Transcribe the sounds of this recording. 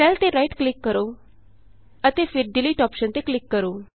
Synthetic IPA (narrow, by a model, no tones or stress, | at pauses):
ʈɛlt̪eːɾaiʈklɪkːəɾoː | ət̪eːpʰɪɾɖɪliːʈɔːpʃənt̪eːklɪkːəɾoː